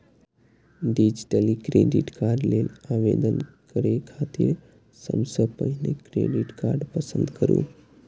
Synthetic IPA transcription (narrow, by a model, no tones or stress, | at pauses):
ɖid͡ʒiʈəlikɾeɖḭʈkaɾɖlelaʋed̪ən | kəɾekʰat̪iːɾ | sə̰msəpəɦnekɾḛɖiʈka̰ɾɖpəsənd̪kəɾṵː